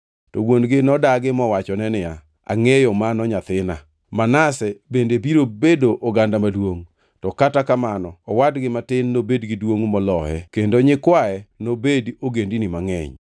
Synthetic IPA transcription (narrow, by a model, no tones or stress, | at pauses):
tɔwonɡɪnɔdaɡɪmɔwat͡ʃɔnɛnɪa | a̰ŋejɔmanɔɲat̪ɪna̰ | manasɛbendebiɾobedoʔoɡandamadwoŋ | tɔkatakamanɔːwadɡɪmatɪnːobedɡɪdwoŋmɔlɔhɛkendoɲɪkwaɛnobedioɡendinɪmaŋɛ̰ɲ